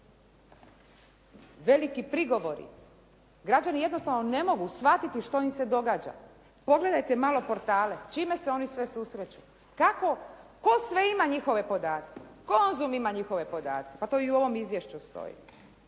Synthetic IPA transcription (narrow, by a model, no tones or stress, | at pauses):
ʋe̞likipɾiɡo̞ʋo̞ɾḭ | ɡɾad͡ʑanije̞d̪nost̪aʋnone̞mo̞ɡusʋat̪it̪iʃt̪o̞imsed̪o̞ɡaːd͡ʑa̰ | po̞ɡle̞d̪ajt̪emalo̞po̞ɾt̪aːle̞t͡ʃime̞seo̞nisʋe̞susɾet͡ɕu | kako̞ko̞sʋe̞imaɲixo̞ʋe̞po̞d̪aːt̪kekonzumimaɲixo̞ʋe̞po̞d̪a̰ːt̪kepat̪o̞iuo̞ʋo̞mizʋjeʃt͡ɕust̪o̞̰jḭ